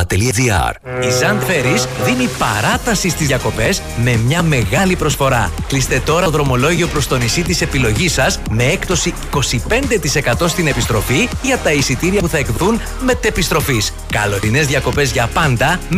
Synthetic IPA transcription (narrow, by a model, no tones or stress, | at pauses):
t̪eliɐdiɐ̰ɾ | izɐnt̪fe̞ɾisðinipɐ̰ɾɐt̪ɐsist̪izʝjɐko̞pe̞z | me̞mɲɐme̞ɣɐlipɾo̞sfo̞ɾɐ̰klist̪e̞t̪o̞ɾɐðɾo̞mo̞lo̞ʝio̞pɾo̞st̪o̞nisit̪ise̞pilo̞ʝisɐsme̞e̞kt̪o̞siiko̞sipe̞nd̪e̞t̪ise̞kɐt̪o̞st̪ine̞pist̪ɾo̞fiʝɐt̪ɐisit̪iɾiɐpuθɐe̞kðun | me̞t̪e̞pist̪ɾo̞fis | kɐlo̞ɾine̞zðʝɐko̞pe̞zʝɐpɐnd̪ɐ